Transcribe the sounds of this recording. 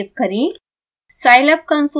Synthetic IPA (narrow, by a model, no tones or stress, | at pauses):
t̪̚kəɾi | sajləp̚kənsu